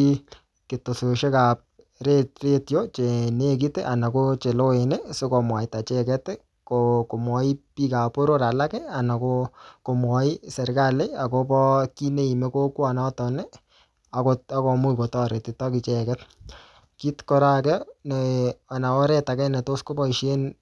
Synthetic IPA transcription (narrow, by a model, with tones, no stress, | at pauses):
i | ke˨to˨so˨ʃe˦ka˨p̚ | retre˦tjo˦t͡ʃe˨ne˦k̬i˦te˦ʔa˨na˨ko˦t͡ʃe˨lo˦e˨ne˦sʊ˦ko˨mwa˨ɪta˨t͡ʃɛ˦kɛ˦tɛ˦ | koko˨mwɔ˨i˦pi˦ka˨po˦ɾo˦ɾa˨la˦kɛ˦a˨na˨koko˨mwɔ˨i˦sɛ˨ɾka˦le˦a˨ko˦pɔ˦ki˦ne˦i˨me˦ko˦kwa˨na˦tɔnɛ˦ | a˨kota˦ko˨mu˦iko˨tɔ˦ɾe˨ti˨tɔ˦kɪ˨t͡ʃɛkɛ˦t̚ | ki˦tkɔ˦ɾa˦kɛ˦nɛa˨na˨ɔ˦ɾɛ˦ta˨kɛ˦nɛ˨to˦sko˦bɔ˦i˨ʃe˦n